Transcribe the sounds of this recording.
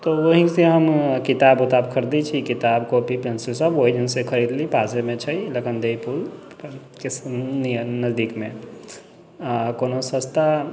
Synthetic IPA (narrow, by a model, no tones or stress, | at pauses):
t̪oʋəɦiseɦəmkɪt̪aːbʊt̪aːbkʰəɾd̪it͡ʃʰikɪt̪aːbkopipensesəboɦid͡ʒənsekʰəɾiːd̪lipaːsemẽt͡ʃʰɐiləkənd̪epul | ke | nəzd̪iːkmḛ̃ | konosəst̪a